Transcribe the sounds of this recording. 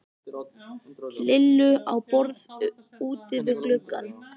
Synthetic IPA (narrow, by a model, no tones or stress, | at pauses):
lɪlːʏawpɔɾð | uːt̪ɪvɪðklʏkːa̰n